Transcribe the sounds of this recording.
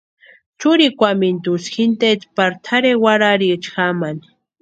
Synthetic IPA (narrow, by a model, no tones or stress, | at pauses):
t͡ʃuɾikʷamint̪usxint̪et̪paɾt̪ʰaɾewaɾaɾit͡ʃxamani